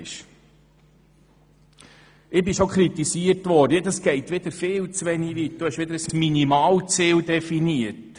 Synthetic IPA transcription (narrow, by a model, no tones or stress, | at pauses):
ʃ | ʔɪbɪʃokχɾitisiːərtʋɔdəedɑsɡ̥ɛɪtʋɪd̪əɾfɪːlt͡sʋɛniʋiːt̚d̥ʊhɛʃʋɪd̪əɾəsminimɑːlt͡siːldɛfiniət